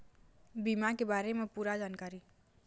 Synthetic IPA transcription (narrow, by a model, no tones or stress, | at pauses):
bimakebaːɾemẽpuːɾad͡ʒaːnkaːɾi